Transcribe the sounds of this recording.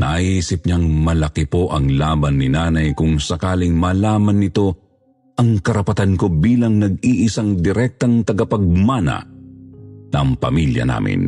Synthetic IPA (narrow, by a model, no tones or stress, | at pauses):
naʔiːsɪp̚ɲɐŋmɐlɐkɪpoʔɐŋlaːbɐnːɪnaːnɐjkʊŋsɐkaːlɪŋmaːlaːmɐnːɪt̪o̞ | ʔɐŋkɐɾɐpɐt̪anko̞biːlɐŋnɐɡiʔɪsɐŋd̪ɪɾɛk̚t̪ɐŋt̪ɐɡɐpɐɡ̚manɐ̰ | nɐŋpɐmiljɐ̰na̰ːmʔɪ̰n